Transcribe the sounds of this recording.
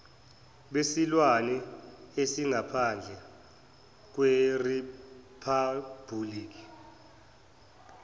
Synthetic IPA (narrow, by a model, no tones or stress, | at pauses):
ɓesilwanɛesiŋapʰand͡ɮʱɛ | k̬weripʰab̥ʱuliːk̬i̥